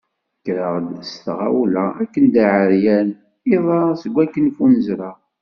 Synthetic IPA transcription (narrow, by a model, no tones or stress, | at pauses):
kːɾəʁd̪əst̪ʁa̰wlæækːənd̪aʕəɾjæn | iðˤɑsəɡʷːækːənfunəzɾɑ